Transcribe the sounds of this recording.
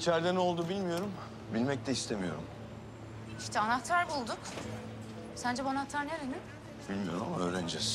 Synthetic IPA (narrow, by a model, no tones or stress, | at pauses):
it͡ʃʰæɾd̪ɛno̞lˠd̪ubilʲmijo̞ɾum | bilʲmɛc̚t̪ʰɛist̪ʰemijo̞̰ɾṵm | iʃt̪ʰɛanat̪ʰaɾbulˠd̪ʊk | sænd͡ʒɛbanaɦat̪ʰaɾneɾenɪ | b̥ilʲmijo̞ɾumamaø̰ːɾænd͡ʒɛs